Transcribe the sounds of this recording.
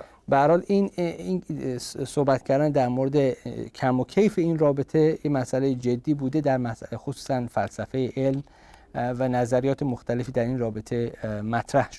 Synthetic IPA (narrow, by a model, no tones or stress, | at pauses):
beæɾhɒːlini | sohbæt̪cʰæɾd̪ænd̪æɾmoɾed̪e̞cʰæmocʲʰejfeiːnrɒːbet̪ʰe̞jemæsælejed͡ʒe̞d̪ːiːbuːd̪e̞d̪æɾmæsxosuːsænfælsæfe̞jeʔelm | vænæzæɾijɒːt̪ʰe̞moxt̪æle̞fiːd̪æɾinrɒːbet̪ʰe̞mæt̪ʰɾæhʃo̥